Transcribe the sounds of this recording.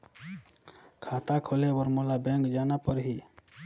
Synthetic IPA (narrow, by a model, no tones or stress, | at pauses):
kʰat̪akʰolebəɾmolabɛ̃ŋkd͡ʒanapəɾɦi